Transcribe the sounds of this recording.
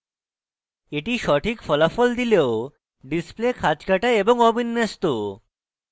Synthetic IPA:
eʈiʃɔʈʰikfɔlafɔld̪ileo | ɖisplekʰad͡ʑkaʈaeboŋɔbʱinːest̪o

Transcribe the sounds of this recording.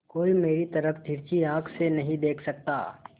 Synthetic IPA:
koːimeːɾit̪ɐɾəfʰd̪ʱɪɾt͡ʃiãːkʰsenɐɦĩd̪eːkʰsɐk̚t̪a̰ː

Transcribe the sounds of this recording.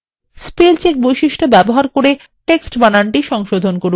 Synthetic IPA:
spilt͡ɕek̚bojʃiʃʈobɛboɦaɾkoɾe | ʈeksʈbanaɳʈiʃɔŋʃod̪ʱonkoɾ

